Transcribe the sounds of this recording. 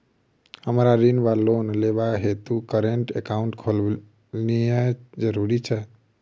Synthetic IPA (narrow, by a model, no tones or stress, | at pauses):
həmɾaɾinbalonleβaɦet̪ukəɾeɳʈekauɳʈkʰol | nijəd͡ʒəɾuɾit͡ʃʰɛ